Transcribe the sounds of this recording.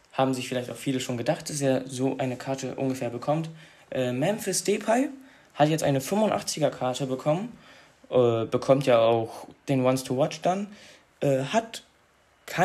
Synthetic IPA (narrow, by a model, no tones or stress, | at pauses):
haːbm̩zɪçfɪlaɪçtaʊxfiːləʃoːnɡədaχt̚d̥as̬eːɐzoːʔaɪnəkʰaɐtəʔʊ̰nɡəfɛːɐbəkʰɔmt | ʔɛːmɛmfyːɐsteːpʰaɪ | hatjɛt͡stʔaɪnəfʏmfʊntʔa̰χt͡sɪɡɐkʰaɐtəbəkʰɔmən | ʔɛːb̥əkʰɔmtʰjaːaʊxd̥eːnwanstʰuwɔt͡ʃd̥an | ʔɛːhat | kʰa